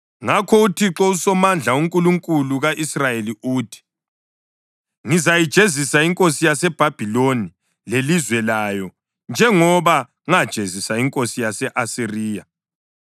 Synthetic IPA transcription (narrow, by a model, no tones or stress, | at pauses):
ŋakʰɔutʰiǁɔusɔmand͡ɮʱauŋkʼuluŋkʼuluɣaʔisrajeliuːtʰi̥ | ŋizajid̥ʒ̥ʱezisaiŋkʼosijasɛb̥ʱab̥ʱiloni | lelizwɛlajɔ | nd͡ʒʱɛŋɔβa | ŋad̥ʒ̥ʱezisaiŋkʼosijasɛʔasiriːja